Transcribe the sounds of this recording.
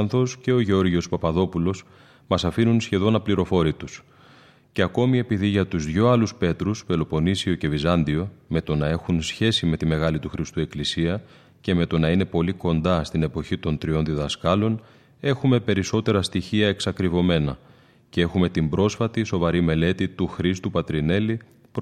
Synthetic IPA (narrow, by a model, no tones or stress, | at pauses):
ɐnθo̞sce̞o̞ʝeo̞ɾʝio̞spɐpɐðo̞pulo̞s | mɐsɐfinunsçe̞ðo̞nɐpliɾo̞fo̞ɾit̪us | ce̞ɐko̞mie̞piðiʝɐt̪uzðʝo̞ɐluspe̞t̪ɾusfelo̞po̞nisio̞ce̞vizɐnd̪io̞me̞t̪o̞nɐe̞xunsçe̞sime̞t̪ime̞ɣɐlit̪uxɾist̪ue̞klisiɐ | ce̞me̞t̪o̞nɐine̞po̞liko̞nd̪ɐst̪ine̞po̞çit̪o̞nt̪ɾio̞nðiðɐskɐlo̞n | e̞xume̞pe̞ɾiso̞t̪e̞ɾɐst̪içiɐe̞ksɐkɾivo̞me̞nɐ | ce̞e̞xume̞t̪imbɾo̞sfɐt̪iso̞vɐɾime̞le̞t̪it̪uxɾist̪upɐt̪ɾine̞li | p